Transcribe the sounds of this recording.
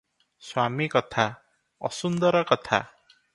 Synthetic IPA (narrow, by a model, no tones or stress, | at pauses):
swamikɔt̪ʰa | ɔ̰sund̪ɔɾɔkɔt̪ʰa̰